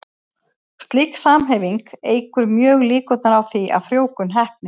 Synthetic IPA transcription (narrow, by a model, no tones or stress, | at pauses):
st̪liksaːmɦɛjviŋkeːjkʏɾmjœːɣliːkɔt̪naɾawθiʔa̰ðfɾjoːwkʏnɦɛhp̚nɪ